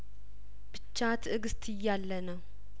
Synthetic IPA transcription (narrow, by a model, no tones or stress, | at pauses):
b̥ɨt͡ʃːat̪ʰɨɡɨst̪ʰɨjːalːənəw